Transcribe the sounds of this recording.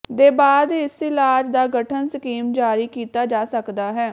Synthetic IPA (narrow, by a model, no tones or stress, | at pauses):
d̪eːbaːd̪ɪsɪlaːd͡ʒd̪aːɡəʈʰənsəkiːmd͡ʒaːɾiːkiːt̪aːd͡ʒaːsəkd̪aːɦɛː